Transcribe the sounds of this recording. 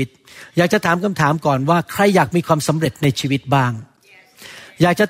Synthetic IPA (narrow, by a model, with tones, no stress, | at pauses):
t̪̚jaː˨˩k̚t͡ɕa˨˩t̪ʰaː˩˦mkʰa˧mt̪ʰaː˩˦mkɔː˨˩nwaː˥˩kʰɾa˧jːaː˨˩k̚miː˧kʰwaː˧msa˩˦mɾe˨˩t̪̚na˧jt͡ɕʰiː˧wi˦˥t̪̚baː˥˩ŋ | jaː˨˩k̚t͡ɕa˨˩